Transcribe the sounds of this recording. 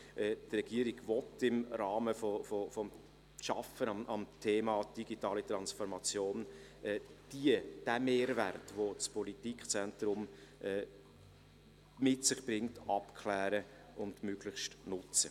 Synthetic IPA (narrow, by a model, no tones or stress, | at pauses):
ʔɛːtrɛɡ̥iəɾiɡvɔtɪmrɑːməfofɔfɔm | ʃɑ̰fənɑʔɑmtʰeːmɑːd̥iɡitɑːlit̪ɾɑnsfɔɾmɑt͡sjoːnʔɛːd̥iəd̥æmeːɾværtvot͡spʰɔlitikχt͡sɛntɾʊmɛ | mɪtsɪχb̥ɾɪŋtɑpkʰlæːɾə | ʔʊndmøɡ̥lɪχʃtnʊt͡sə